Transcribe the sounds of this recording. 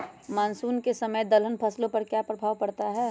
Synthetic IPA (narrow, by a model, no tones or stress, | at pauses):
maːnsuːnkesɐməjd̪ɐlənpʰɐslõpɐɾkjapɾɐbʱaːwpɐɽt̪aɦɛː